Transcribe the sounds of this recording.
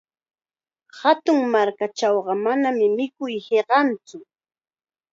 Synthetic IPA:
hat̪ʊŋmaɾkat͡ʃawɢɑmanamɪmɪkʊjheɢɑnt͡sʊ

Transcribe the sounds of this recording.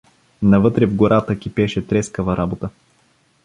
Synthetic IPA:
nɐvɤt̪ɾɛvɡoɾʔat̪əkʲipɛʃɛt̪ɾɛskəvɐɾʔabot̪ə

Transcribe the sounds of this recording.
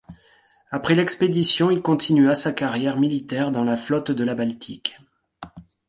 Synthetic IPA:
apχɛlɛksped̪isjɔ̃ilkɔ̃t̪ʰinyasakaʁjɛʁmilit̪ɛʁd̪ɑ̃laflɔt̪d̪əlabalt̪ʰik

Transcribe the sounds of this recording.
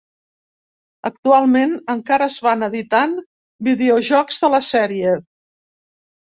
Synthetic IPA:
ək̚t̪ualˠmenəŋkaɾəːzβanəðit̪an | biðeoʒɔkzðələsɛɾie

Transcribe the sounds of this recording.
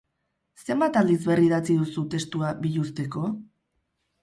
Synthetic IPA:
se̞mbat̪ald̪izβe̞riðat͡siðusut̪e̞st̪uaβiʎust̪e̞ko̞

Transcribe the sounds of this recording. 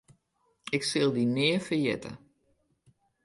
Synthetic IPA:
ɪksɪlˠdinɪːəfəjɛ̰tə̰

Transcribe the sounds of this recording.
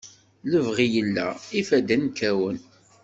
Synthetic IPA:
ləvʁijəlːæifæd̪ænkæwən

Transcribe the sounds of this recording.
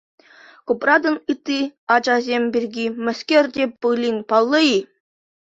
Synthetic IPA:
kuprɑd̪ɤ̆nɯt̪ːiɑd͡ʑɑzʲemʲbʲirʲɡʲimɘ̆skʲerʲdʲebɯlʲiŋʲpɑlˠːɤi

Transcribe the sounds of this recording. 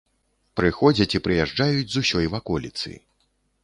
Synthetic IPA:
pɾɨxɔd͡zʲɐt͡sʲipɾɨjaʐd͡ʐajud͡zʲzusʲɔjvakɔlʲit̪sɨ̰

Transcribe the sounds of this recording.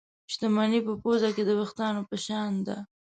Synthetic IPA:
ʃt̪amanipəpozaked̪əbaxt̪ɑnopəʃɑnd̪a̰

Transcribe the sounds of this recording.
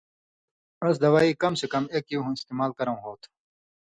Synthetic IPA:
ɐs̬d̪ɐwaːiːkɐmsekɐmeːkiɦũist̪eːmaːlkɐɾɐ̃w̃ɦoːt̪ʰ

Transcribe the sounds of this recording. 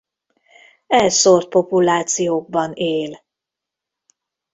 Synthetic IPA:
ɛlsort̪̚po̞pulaːt̪sijoːɡ̚bɒneːl

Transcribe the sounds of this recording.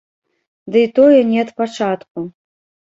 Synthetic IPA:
d̪ɨit̪ɔjɛnʲɛɐt̪pat͡ʂat̪ku

